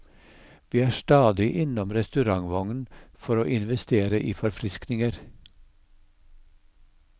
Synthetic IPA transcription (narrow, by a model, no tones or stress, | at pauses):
ʋiːæːʃt̪ɑːd̪ɪʔɪnɔmɾɛst̪ʉɾɑŋʋɑŋnfɔɾoːʔɪnʋɛst̪eːɾəʔiːfɔɾfɾɪsknɪŋəɾ